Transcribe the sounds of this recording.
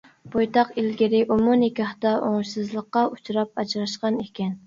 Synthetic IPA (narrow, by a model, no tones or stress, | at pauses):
b̥ojt̪ɑqelɡʲɪɾɪʔomunikʲɑht̪ɑʔoŋʃsɨzlˠəqːɑut͡ʃʰuɾɑp̚ɑt͡ʃɾɑʃqɑnekʲɛn